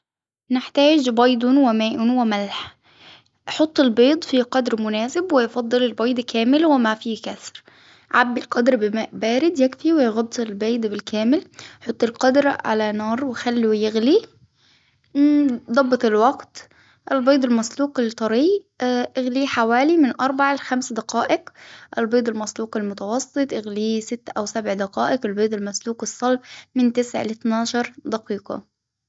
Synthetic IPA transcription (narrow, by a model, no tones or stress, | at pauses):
nɪħt̪aːd͡ʒbɑjd̪ˤʊnwɪmaːʔʊnwɪmalħ | ħʊt̪ˤːɪlbeːd̪ˤfiqɑd̪ɾmʊnaːsɪbwɪjfɑd̪ˤːɨlɪlbɑjd̪ˤkaːmɪlwɪmafiːkasɾ | ʕabːɪlqɑd̪ɾbɪmaːʔbaːɾɪd̪jɪkfiwɪjɣɑd̪ːˤɪlbeːd̪ˤbɪlkaːmɪlħot̪ˤːɪlqɑd̪ɾʕa̰lanɑːɾˤwɪxalːujɪɣli | d̪ˤɑbːɑt̪ˤɪlwɑɡt̪ | ʔɪlbɑːd̪ˤɪlmæsluːqɪlt̪ˤɑɾiː | ʔɪɣliːħawæːlimɪnʔɑɾˤbaʕalxæmsd̪ɑqɑːʔɪqʔɪlbeːd̪ˤɪlmæsluːqɪlmʊt̪ɑwɑsːɨt̪ˤʔɪɣliːsɪt̪ːʔæwsæbʕd̪ɑqɑːʔɪqɪlbeːd̪ˤɪlmæsluːqɨsˤːɑlfmɪnt̪ɪsʕ̰lɪt̪nɑːʃɑɾˤd̪ɑqiːqɑ̰